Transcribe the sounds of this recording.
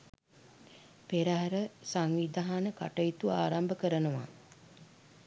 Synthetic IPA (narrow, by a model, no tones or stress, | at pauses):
peɾaɦaɾəsaŋʋid̪ʱaɦanəka̰ʈəit̪uaːɾambəkəɾənəʋa̰